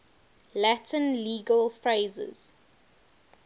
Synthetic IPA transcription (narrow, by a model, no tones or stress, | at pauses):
lætʰə̃nliːɡəlfɹeːzə̰z̥